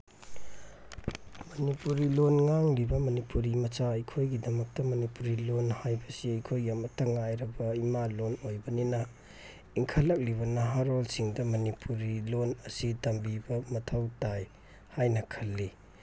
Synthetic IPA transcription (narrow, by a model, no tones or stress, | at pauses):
mɐnipuɾilonŋaŋlibɐmɐnipuɾimɐsaɐjkʰojɡidɐmɐk̚tɐmɐnipuɾilonhajbɐsiɐjkʰojɡiɐmɐtɐŋajɾɐbɐimalonojbɐninɐ | iŋkʰɐlːɐk̚liβɐnɐɦaɾolsiŋdɐmɐnipʰuɾilonɐsitɐmbibɐmɐtʰɐwtaj | hajnɐkʰɐlːi